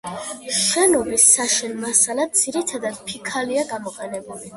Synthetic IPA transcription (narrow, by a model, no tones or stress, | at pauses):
ʃɛnɔbisːaʃɛnmasalad̪d̪z̥iɾit̪ʰad̪ad̪̥̚pʰikʰaliaɡamɔqʼɛnɛbuli